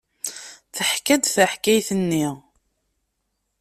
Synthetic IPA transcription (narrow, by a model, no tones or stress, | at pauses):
θəħkæd̪θəħkæjθənːiʁ